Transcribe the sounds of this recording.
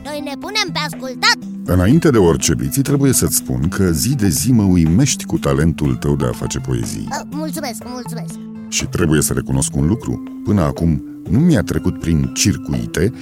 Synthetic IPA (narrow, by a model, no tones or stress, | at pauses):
no̞jne̞pune̞mpeaskult̪at̪ | ɨnaint̪e̞d̪e̞ort͡ʃe̞bḭt̪sit̪ɾe̞buje̞sət̪sʲpṵnkʰəzid̪e̞ziməujme̞ʃt̪ʲkut̪ale̞nt̪ult̪əwd̪e̞a̰fa̰t͡ʃe̞po̞e̞̰zḭjmult̪sume̞skmult̪sumesk̚ | ʃit̪ɾe̞buje̞səɾe̞̰kuno̞skunlukɾṵ | pɨnəa̰kum | numijat̪ɾe̞kut̪pɾint͡ʃirkuḭt̪e̞